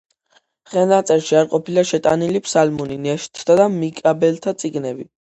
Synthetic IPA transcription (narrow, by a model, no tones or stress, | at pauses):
χɛlnat̪sʼɛɾʃiaɾqʼɔpʰilaʃɛt̪ʼa̰nilipʰsalmɔninɛʃt̪ʰːad̪amikʼabɛlt̪ʰat̪sʼiɡnɛbi